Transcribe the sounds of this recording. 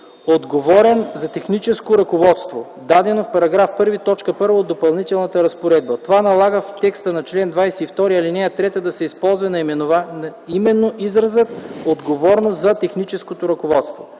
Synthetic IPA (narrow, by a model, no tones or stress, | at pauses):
od̪ɡovɔɾɛnzɐt̪ɛxnit͡ʃɛskoɾɐkovɔt̪st̪vo̰ | d̪ad̪ɛnofpɐɾɐɡɾafpɤɾvit̪ɔt͡ʃkəpɤɾvəod̪opɐlˠnit̪ɛlˠnət̪əɾɐspoɾɛd̪̚bət̪ovanɐlˠaɡəft̪ɛkst̪ənɐt͡ʃlɛnd̪vajsɛift̪ɔɾiɐlinɛjət̪ɾɛt̪əd̪ɐsɛispɔlˠzvɐnɐimɛnovaimɛnːoʔizɾɐzət̪od̪ɡovɔɾnoszɐt̪ɛxnit͡ʃɛskot̪oɾɐkovɔt̪st̪vo